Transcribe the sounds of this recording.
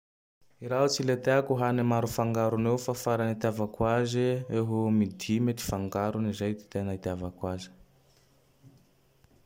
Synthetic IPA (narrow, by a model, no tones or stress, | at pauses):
iɾaɦut͡silet̪eakuɦanimaɾufaŋɡaɾuneufafaɾanit̪iavakwazieɦumid̪imet̪i̥faŋɡaɾunizajt̪e̥t̪enait̪iavakwazi̥